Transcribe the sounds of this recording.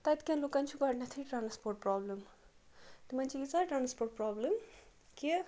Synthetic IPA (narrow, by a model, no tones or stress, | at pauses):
t̪ajt̪kãnlokant͡ʃʰuɡʌɾnat̪ʰiʈranspoɾʈ̚prablem | t̪imanʰiit͡saʈransporʈ̚prablemke